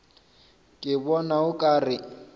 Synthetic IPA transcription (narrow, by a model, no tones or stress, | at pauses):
kʼɪbɔnaʊkʼaːrɪ